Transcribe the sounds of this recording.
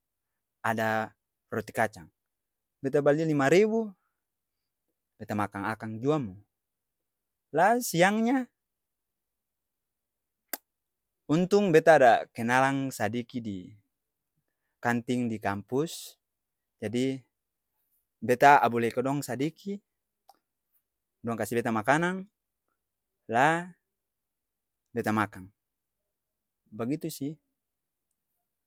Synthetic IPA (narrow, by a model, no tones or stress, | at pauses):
ada | rɔt̪i̥kat͡ʃaŋ | bɛt̪abalilimaɾibu | b̥ɛt̪amakaŋakaŋd͡ʒuamu | lasiaŋɲa | unt̪uŋbɛt̪aːdakɛnalaŋsadikidi | kant̪iŋdikampus | d͡ʒadi | bɛt̪aabulɛikɔdɔŋsadiki | dɔŋkasibɛt̪amakanaŋ | la | bɛt̪amakaŋ | baɡit̪usi